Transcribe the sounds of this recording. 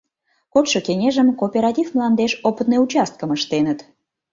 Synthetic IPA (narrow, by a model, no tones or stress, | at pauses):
kot̪ʃokenʲeʒəmkopʲeɾɑt̪ʲivmlˠɑnd̪eʃopət̪nəjut͡ɕɑst̪̚kəməʃt̪enət̪